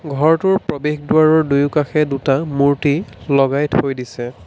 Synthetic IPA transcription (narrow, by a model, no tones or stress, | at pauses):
ɡʱɔɹtʊɹpɹobexdʊaɹɔɹdujʊkaxɛdutamuɹtilɔɡajthojdisɛ